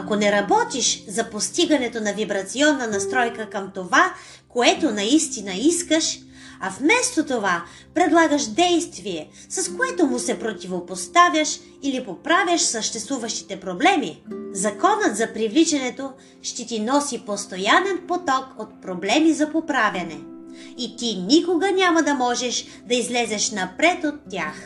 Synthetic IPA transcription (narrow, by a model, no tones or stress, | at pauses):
ɐkonɛɾɐbɔt̪iʃzɐpost̪iɡɐnɛt̪onɐvibɾɐt̪siɔnːɐnɐst̪ɾɔjkəkəmt̪ova | koɛt̪onɐist̪inɐiskəʃ | ɐfmɛst̪ot̪ova | pɾɛd̪lˠaɡəʃd̪ɛjst̪viɛ | sɐskoɛt̪omʊsɛpɾot̪ʲivopost̪avʲjəʃ | ilipopɾavʲjəʃsəʃt̪ɛst̪vuvəʃt̪i̥t̪ɛpɾoblɛmizɐkɔnət̪zɐpɾivlit͡ʃɛnɛt̪o | ʃt̪ɛt̪inɔsipost̪ojanɛnpot̪ɔkot̪̚pɾoblɛmizɐpopɾavʲɐnɛit̪inʲikoɡənʲamɐd̪ɐmɔʒɛʃ | d̪ɐizlɛzɛʃnɐpɾɛt̪ot̪ːʲax